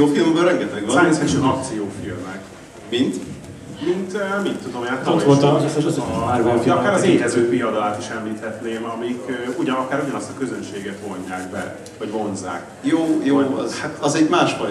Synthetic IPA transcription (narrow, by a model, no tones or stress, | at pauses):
joːfilmbøɾɛŋɡɛt̪ɛɡɒesɛʃɛzɒk̚t̪sijoːfilmɛk | mint̪ | mint̪ømint̪ːud̪o̞mɛat̪ːoolt̪sɛt̪ːɾoɛɒkaːɾɒzeːdɛzøːpijɒd̪ɒlaːt̪iʃɛmliːt̪ɛt̪neːmɒmikːuɟɒnɒkaːɾuɟɒnɒst̪ɒkøzønʃeːɡɛt̪vo̞ɲːaːkbɛ̰ | vɒɟvo̞nza̰ːk | joːjoːhat̪ɒzɛɟmaːʃfɒ